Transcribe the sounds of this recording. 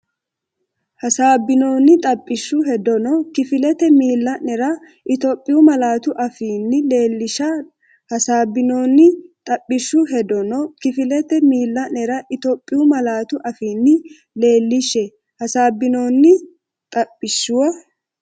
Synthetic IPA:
hɐsaːbːɪno̞ːnːɪt̪ʼɐpʼːɪʃːʊɦɛd̪ɔnɔkɪfɪlɛt̪ɛmiːlːɐnɛɾɐ | ʔɪt̪oːpʼːɪjʊmɐlaːt̪ʊʔɐfiːnːɪle̞ːlːɪʃɐ | hɐsaːbɪno̞ːnːɪt̪ʼɐpʼːɪʃːʊɦɛd̪ɔnɔkɪfɪlɛt̪ɛmiːlːɐnɛɾɐʔɪt̪oːpʼːɪjʊmɐlaːt̪ʊʔɐfiːnːɪ | le̞ːlːɪʃːɛ | hɐsaːbːɪno̞ːnːɪ | t̪ʼɐpʼːɪʃːʊwɐ

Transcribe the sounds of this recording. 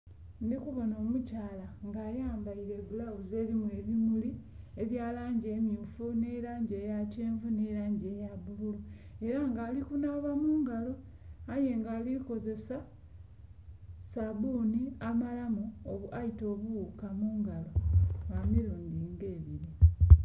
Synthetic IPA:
nikuβo̞noːmucaːlaŋɡaːjaːmbaiɾe̞βulawuze̞βimueβimuli | eβjaːlaːɲɟe̞ːmjuːfuneɾaːɲɟeːjaceːɱvuneɾaːɲɟe̞jabuβulu | e̞ɾaŋɡaːlikunaːβamuːŋɡalo̞ | aje̞ŋɡaːliko̞ze̞sa | saβuːniamalamuoβaito̞ːβuwukamuːŋɡalo̞βamiɾoːnɡiŋɡeːβiɾi

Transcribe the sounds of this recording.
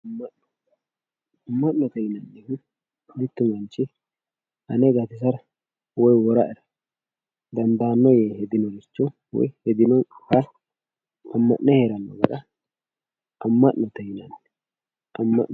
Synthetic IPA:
ɐmːɐɔ | ɐmːɐʔːɔt̪ɛjɪnɐnːɛhʊ | mɪt̪ːʊmɐnt͡ʃːɪ | hɐnɛɡɐt̪ɪs̬ɐɾɐ | wɔjwɔɾɐ̰ʔɛɾɐ | d̪ɐnd̪aːnːɔjɛhɛd̪ɪnɔlɪt͡ʃːɔ | wɔ̰jhɛd̪ɪnɔkɐ | ɐmːɐ̰ʔnɛheɾɐnːɔ̰ɡɐɾɐ | ʔɐmːɐʔnɔt̪ɛjɪnɐnː | ʔɐmːɐ̰ʔ

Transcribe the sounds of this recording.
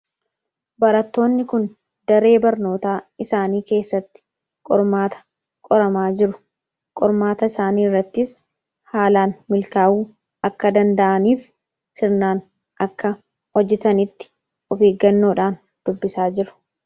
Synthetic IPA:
bɐɾɐt̪ːo̞ːnːɪkʊn | d̪̥ɐɾe̞ːbɐɾno̞ːt̪aːɪsaːniːke̞ːsːɐt̪ːɪ̥ | kʼɔɾmaːt̪ɐ̥ | kʼɔɾɐmaːd͡ʒɪɾʊ̥ | kʼɔɾmaːt̪ɐɪsaːniːrːɐt̪ːɪs | haːlaːnmɪlkaːʔuː | ɐkːɐd̪ɐnd̪ɐʔɐniːf | sɪɾnaːn | ʔɐkːɐ | hɔd͡ʒːɛt̪ɐnɪt̪ːɪ̥ | ɔfeːɡɐnːo̞ːᶑaːn | d̪̥ʊbːɪsaːd͡ʒɪɾʊ̥

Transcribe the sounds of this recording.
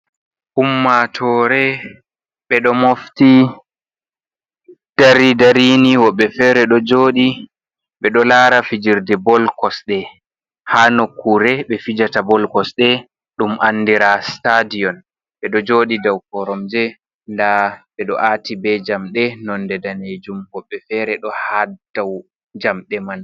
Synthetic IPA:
ʔumːatʰɔɾɛ | ɓɛɗɔmofti | d̥aɾidaɾiniwɔɓɛfɛɾɛɗɔd͡ʒoːɗi | ɓɛɗɔlaːɾafid͡ʒiɾdɛbɔlkɔsɗɛ | hanokːuɾɛɓɛfid͡ʒatabɔlkɔsɗɛ | ɗumʔanːdiɾastadijɔn | ɓɛɗɔd͡ʒoːɗidawkɔɾɔmd͡ʒɛ | ndaɓɛɗɔʔatibɛd͡ʒamɗɛnɔndɛdaned͡ʒumwɔɓːɛfɛːɾɛɗɔhad̥aw | d͡ʒamɗɛman

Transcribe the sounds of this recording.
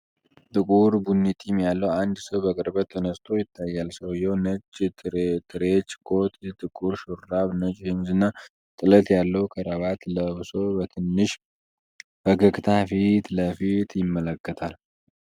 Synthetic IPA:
t̪ʼɨkʼuɾbunːit̪ʼimjalːəwand̪səwbəkʼəɾbət̪ʰːənəst̪ʰo̞jɪt̪ʰːajːalsəwjɛwnət͡ʃʼːt̪ʼɾt̪ʼɨɾet͡ʃːɡo̞t̪ʼt̪ʼɨkʼuɾʃuɾːaβnət͡ʃʼhɨmzɨnːa | t̪ʼɨlət̪jalːəwkʰəɾəβat̪ləβso̞bət̪ʰɨnːɨʃ | b̥əɡəkʼt̪ʰafit̪ləfit̪ʰjɪmːələkːət̪ʰal

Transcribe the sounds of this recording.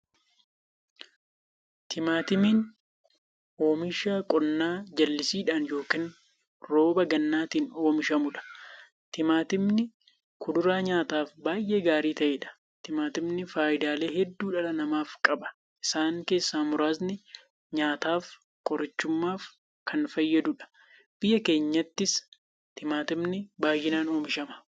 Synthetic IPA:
t̪ʰɪmaːt̪ɪmiːn | oːmɪʃaːkʼɔnːaːd͡ʒɐlːɪsiːᶑaːnjo̞ːkiːn | ɾo̞ːbɐɡɐnːaːt̪iːnoːmɪʃɐmʊᶑɐ̥ | t̪ɪmaːt̪ɪmnɪ | kʊd̪ʊɾaːɲaːt̪aːfbaːjʔe̞ːɡaːɾiːt̪ɐʔeːᶑɐ̥ | t̪ɪmaːt̪ɪmnɪfaːʔɪd̪aːle̞ːhɛd̪ːuːᶑɐlɐnɐmaːfkʼɐbɐ̥ | ʔɪsaːŋke̞ːsːaːmʊɾaːznɪ | ɲaːt̪aːf | kʼɔɾɐt͡ʃːʊmːaːf | kʰɐnfɐjːɐd̪ʊᶑɐ̥ | b̥ɪjːɐke̞ːɲːɐt̪ːɪs | t̪ɪmaːt̪ɪmnɪbaːjːɪnaːno̞ːmɪʃɐmɐ̥

